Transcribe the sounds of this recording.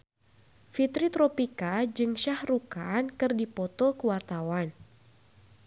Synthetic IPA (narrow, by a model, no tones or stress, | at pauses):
fit̪ɾit̪ɾɔpikad͡ʒɨŋʃahrukankɨrdipɔt̪ɔkəwart̪awan